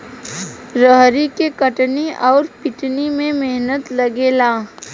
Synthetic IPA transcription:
ɾəɦɾikekəʈniʔɔːɾpɪʈnimẽmeɦnət̪lɐɡeːlaː

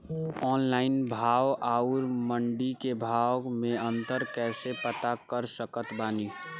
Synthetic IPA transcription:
ɔːnlaɪnbʱaʋaʊɾməɳɖikebʱawmẽə̃nt̪əɾkɛːsepət̪akəɾsəkət̪baːni

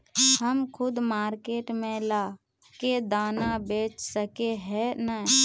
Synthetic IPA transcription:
həmkʰʊd̪maːɾkeːʈmẽlaː | ked̪aːnabeːt͡ʃsəkeɦɛnə

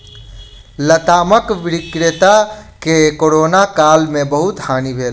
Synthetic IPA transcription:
lət̪aməkʋiɾikɾet̪akekoɾonakalmebəɦut̪hanibʱel

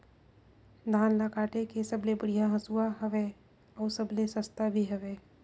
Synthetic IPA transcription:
d̪ʱaːnlakaːʈekesɐblebəɽijaɦɐsuaɦɐʋe | ɔːsɐblesɐst̪abʱiɦɛʋeː

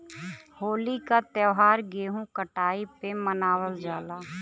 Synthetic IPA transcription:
hoːlikat̪əʋɦaːɾɡeːɦũkəʈaːipemənaːwəld͡ʒaːlaː

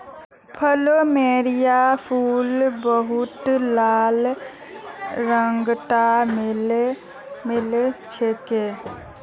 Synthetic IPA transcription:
pʰəlomeɾijapʰulbəɦut̪laːl | ɾəŋɡʈaml | milet͡ʃʰeke

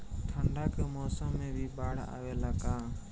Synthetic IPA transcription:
t̪ʰəɳɖaːkəmoːsəmːẽːbʱiːbaːɽ̤a̰ːʋeːlaːkaː

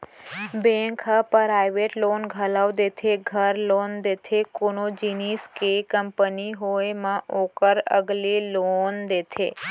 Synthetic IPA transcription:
bẽŋkɦəpɾajʋeʈlonɡʱəlaʋd̪et̪ʰeɡʱəɾlond̪et̪ʰekonod͡ʒiniskekəmpəniɦoemãʔokəɾə̰ɡlelond̪et̪ʰḛ

